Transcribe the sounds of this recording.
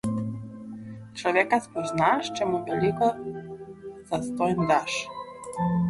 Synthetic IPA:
t͡ʃlɔʋekaspɔznaʃt͡ʃɛmuʋɛlikɔ | z̥ast̪ɔjnd̪aʃ

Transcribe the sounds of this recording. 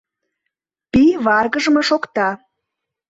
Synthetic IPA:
piβɑrɣəʒəmɤʃokt̪ɑ

